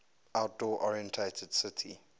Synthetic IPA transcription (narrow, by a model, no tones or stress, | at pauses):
ʔawt̚dɔʔɔɹiɛ̃ntʰetʰɛd̥sɪtʰḭ